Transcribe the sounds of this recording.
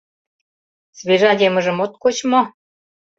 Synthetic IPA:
sβeʒɑdʲemə̆ʒə̆mot̪̚kot͡ɕmo

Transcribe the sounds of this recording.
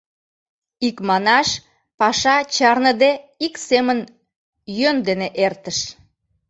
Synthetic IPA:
ikmɑnɑʃ | pɑʃɑt͡ɕɑrnəd̪eiksemən | jønd̪eneʔert̪əʃ

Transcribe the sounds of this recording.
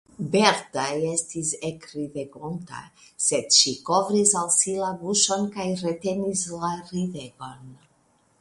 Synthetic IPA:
be̞ɾtaje̞stisekɾiveɡonta̰ | se̞dʃiko̞vɾisalsilabuʃo̞nkajɾe̞te̞nislaɾiveɡo̞n

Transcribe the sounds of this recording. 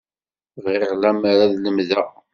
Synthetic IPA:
ʁiʁlæmaɾaðləmðæ

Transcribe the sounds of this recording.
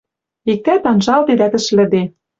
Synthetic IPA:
ik̚t̪æt̪ɑnʒɑld̪ed̪æt̪ɘ̆ʃlɘ̆d̪e

